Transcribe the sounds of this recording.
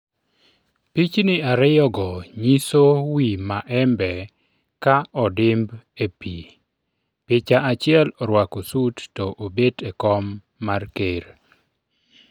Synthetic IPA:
pit͡ʃnɪaɾɪjɔɡɔɲisowimaʔɛmbɛ | kaɔdɪmbepi | pɪt͡ʃaʔat͡ʃɪɛlɔɾwakosutːɔʔobetɛkɔmː | arkeɾ

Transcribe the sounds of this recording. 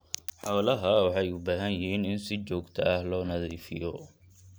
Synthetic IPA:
ħɔːlɐɦɐwɑħɑjʊbaːɦɐnjɪɦiːnɪnsɪt͡ʃɔːɡt̪ʰɐɐhlɔːnɐðiːfɪ̰jɔ

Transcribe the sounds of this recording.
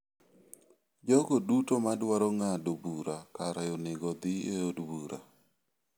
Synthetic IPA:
d͡ʒɔɡodutomadwaɾɔŋadobuɾakaɾajonɪɡɔd̪ɪeodbuɾa̰

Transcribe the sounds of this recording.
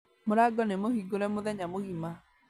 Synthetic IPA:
moɾaɡɔnemohiɡoɾɛmoðɛɲamoɣima

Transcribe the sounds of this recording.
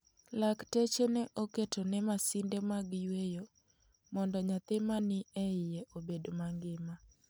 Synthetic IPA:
laktet͡ʃenɛʔoketonɛmasɪndemaɡjwejo | mɔndɔɲat̪ɪmanɪɛɪjeʔobedomaŋɡɪma

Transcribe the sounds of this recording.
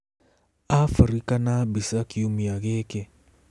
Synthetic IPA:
afaɾikanabisakiumijaɣeke

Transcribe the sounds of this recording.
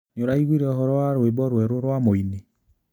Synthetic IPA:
noɾaiɣwiɾɛɔɦɔɾɔwaɾwebɔɾwɛɾoɾwamoini

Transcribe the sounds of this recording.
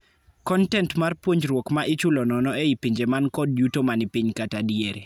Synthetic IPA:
kɔntɛntmarpwoɲd͡ʒɾwokmaʔɪt͡ʃʊlɔnɔnɔeipiɲd͡ʒemankɔdjutomanipiɲkatadieɾi

